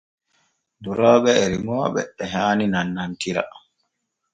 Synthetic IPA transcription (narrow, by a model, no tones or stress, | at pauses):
duɾɔːɓɛɾimɔːɓɛ̰ɛɦaːninanːantiɾa̰